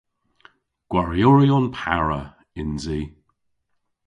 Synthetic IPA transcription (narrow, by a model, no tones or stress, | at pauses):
ɡ̥waɹijoɹiɔnpʰaɹə | ɪnziː